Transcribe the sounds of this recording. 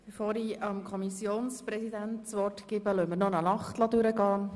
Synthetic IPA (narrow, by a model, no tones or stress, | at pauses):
b̥efoːɾiɑmkʰɔmisjoːnsprɛsid̪ænt̪t͡sʋɔrtɡ̥ɪːbəlœməɾnɔnɑnɑχtlɑd̪ʉɾəɡɑː